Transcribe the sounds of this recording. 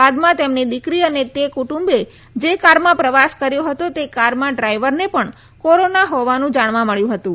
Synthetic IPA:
ad̪mãt̪emnid̪ɪkɾiənet̪ekuʈũmbe | d͡ʒekaɾmãpɾəʋaskəɾjoɦət̪ot̪ekaɾmãɖɾaiʋəɾnepəɳ | koɾonaɦɔʋanũd͡ʒaɳ̃ʋãməɭjũɦət̪ũ

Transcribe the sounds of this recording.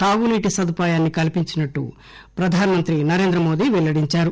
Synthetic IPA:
t̪aːɡuniːʈisɐd̪upaːjaːnːikɐlipiɲt͡ʃinɐʈːṵ | pɾɐd̪ʱaːnɐmɐnt̪ɾinɐɾe̞ːnd̪ɾɐmo̞ːd̪iːʋɛɭːɐɽiɲt͡ʃaːɾu

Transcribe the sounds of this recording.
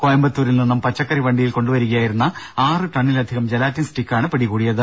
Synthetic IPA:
kojɐmbɐt̪ːuːɾilninːɐmpɐt͡ɕːɐkːɐriʋɐɳɖijilko̞ɳɖuʋɐɾuɣɐjaːjiɾunːɐaːrɨʈɐɳːilɐd̪ʱiɣɐmd͡ʑelaːtːinsʈikːaːɳɨpeɽikuːɽijɐðɨ

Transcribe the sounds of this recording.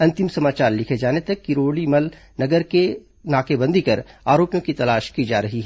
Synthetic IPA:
ɐ̃nt̪ɪmsɐmaːt͡ʃaːɾlɪkʰed͡ʒaːnet̪ɐkːiɾoːlimɐl | nɐɡəɾke | naːkebɐ̃nd̪ʱikɐɾaːɾoːpjõkit̪ɐlaːʃkid͡ʒa̰ːɾɐɦiɦɛ

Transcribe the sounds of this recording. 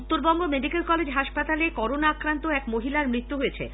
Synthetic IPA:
ut̪ːoɾbɔŋɡomeɖikelkɔled͡ʑɦaʃpat̪alekɔɾonaːkɾant̪oɛkmoɦilaɾmɾit̪ːuɦojet͡ɕʰḛ

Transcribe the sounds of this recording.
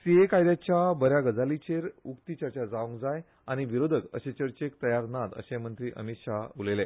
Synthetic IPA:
siekajd̪jat͡ɕjabəɾjaɡəd͡zalit͡ɕeɾukt̪it͡ɕəɾt͡ɕad͡zaʋũŋkd͡zaj | añiʋiɾod̪ʱəkə̰ɕet͡ɕəɾt͡ɕekt̪əjaɾnat̪ə̰ɕemənt̪ɾiːʔə̰mit̪ʂaulele

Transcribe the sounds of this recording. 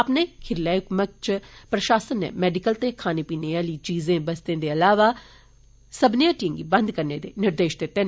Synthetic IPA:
əpneːkʰɪɾlaːjʊkmək̚t͡ʃpɾəʃaːsənːḛ̃ːmɛːɖɪkəlt̪eːkʰaːneːpiːneːaːliːt͡ʃiːzẽːbəst̪ẽːd̪eːəlaːʋaː | səbnɪjãːʈijə̃ŋɡiːbənd̪kəɾneːd̪ḛːnɪɾd̪eːʃd̪et̪ːẽːn

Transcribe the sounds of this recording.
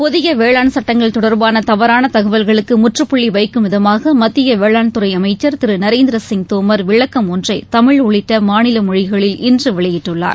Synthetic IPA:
pɔðɪɣɐʋeːɭaːnsɐʈːɐŋɡɐɭt̪ɔɽɐɾbaːnɐt̪ɐʋɐɾaːnɐt̪ɐɣɐʋɐlɣɐɭɯkːɯmʊʈrɯpːʊɭːiʋɐɪkːɯmɪðɐmaːɣɐmɐt̪ːɪjɐʋeːɭaːɳt̪ɯɾɐɪɐmɐɪt͡ʃːɐɾt̪ɪɾɯnɐɾeːnd̪ɪɾɐsɪŋt̪oːmɐɾʋɪɭːɐkːɐmɔndrɐɪt̪ɐmɪɭʊɭɪʈːɐmaːnɪlɐmɔɻɪɣɐɭɪlɪndrɯʋɛɭɐjɪʈːɯɭːa̰ːɾ

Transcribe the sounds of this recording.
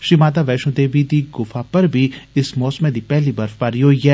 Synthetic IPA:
ʃimaːd̪aʋɛːʃõd̪eːʋid̪iɡʊfapɐɾbʱiɪsmɔːsmẽd̪ipɛːɦlibɐɾfpaɾjoːɛ

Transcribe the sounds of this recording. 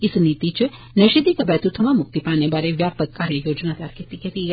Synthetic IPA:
ɪsniːt̪it͡ʃ | nɐʃid̪ikɐbɛːt̪ut̪ʰɐmamʊk̚t̪ipaːnebaːɾeʋjaːpəkːaːɾjejoːd͡ʒnat̪ɐjaːɾket̪iket̪i

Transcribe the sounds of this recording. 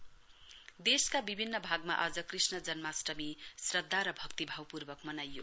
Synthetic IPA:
d̪eskabibʱinːʌbʱaɡma̰ʔʌd͡zʌkrisnʌd͡zʌnmasrʌmisrʌd̪ʱːaɾʌbʱʌkt̪ibʱawpurbʌkmʌnajo

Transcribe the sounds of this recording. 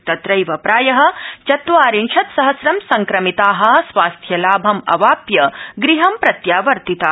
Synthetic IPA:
t̪ɐt̪ɾɐjʋɐpɾaːjɐɦɐ̆t͡ʃɐt̪ʋaːɾinʃɐt̪sɐɦɐsɾɐmsɐŋkɾɐmit̪aːɦɐ̆sʋaːst̪ʰjɐlaːbʱɐmɐ̰ʋaːpjɐɡɾiɦɐmpɾɐt̪jaːʋɐɾt̪it̪a

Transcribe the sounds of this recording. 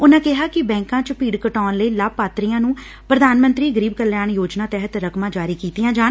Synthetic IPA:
ʊnãːkɪɦaːkɪbɛ̃ːŋkãːt͡ʃəpiːɽkəʈaːnləiːlaːb̚paːt̪ɾijãːnũː | pɾəd̪aːnmənt̪ɾiːɡəɾiːbkəlːjaːɳjoːd͡ʒnaːt̪ɛɦət̪ɾəkmãːd͡ʒaːɾiːkiːt̪ijãːd͡ʒaːn

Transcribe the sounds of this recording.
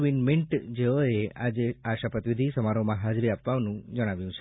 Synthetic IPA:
ʋinmɪɳʈd͡ʒeʋoead͡ʒeaʃapət̪ʋɪd̪ʱisəmaɾomãɦad͡ʒɾiapʋaʋnũd͡ʒəɽ̃aʋjũt͡ʃʰe̥

